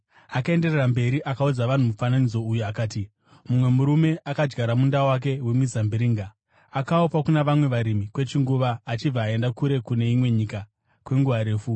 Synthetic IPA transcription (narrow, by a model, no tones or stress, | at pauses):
akae̞nde̞rerambe̞ɾiʔakaud͡zaʋan̤umufananid͡zo̞ujuakaːti | mumwe̞muɾume̞ʔakad͡ʒɡaɾamundawak̬e̞wemizambiɾiːŋɡa | akaopakunaʋamwe̞ʋaɾimikwe̞t͡ʃiŋɡuʋaːt͡ʃib͡vaːe̞ndakuɾe̞kune̞imwe̞ɲika | kwe̞ŋɡuʋaɾe̞ːfu